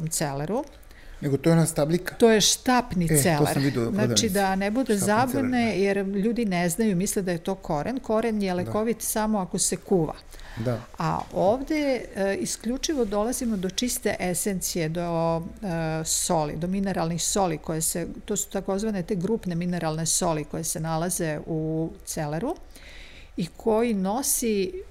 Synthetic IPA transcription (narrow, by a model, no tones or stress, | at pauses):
omt̪seleɾu | neɡot̪oenast̪ablikḁt̪o̞ːjeʃt̪aːpniseloḛɾieznaːt͡ʃid̪anebud̪ezab̪une̞jeɾʎuːd̪ineznajumisled̪ajet̪o̞ːkʰo̞ɾenko̞ɾenjeleko̞ʋit̪samo̞ako̞sekuːʋa̰ | aa̰oːʋd̪eiskʎut͡ʂiʋo̞d̪o̞lazimo̞d̪o̞t͡ʃist̪e̞̰ʔesent̪sije̞d̪o | so̞lḭd̪omine̞ɾalnixso̞liko̞jeset̪oːsu̥t̪ako̞zʋane̞t̪e̞ːɡɾuːpne̞mine̞ɾalˠne̞so̞liko̞jese̞nalaze̞ut̪seleɾu | ikʰo̞jino̞si